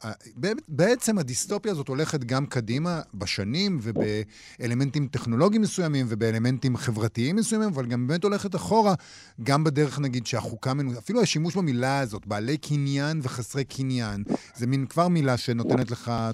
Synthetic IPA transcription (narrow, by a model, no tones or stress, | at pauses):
abebeet͡se̞madisto̞pjaːzo̞to̞le̞χet̬ɡamkadimabeʃanimve̞be̞ | ele̞me̞ntimte̞χno̞lo̞ɡimesujamimve̞beele̞me̞ntimχe̞vʁatiimːesujamimavalɡambemeto̞leχet̬aχo̞ʁa | ɡambedeʁeχnaɡidʃeaχukamenuafiluaʃimuʃbamilaazo̞tbaːle̞jkʰinjanve̞χasʁejkʰinjanzeminkvaʁmilaʃe̞no̞te̞netle̞χa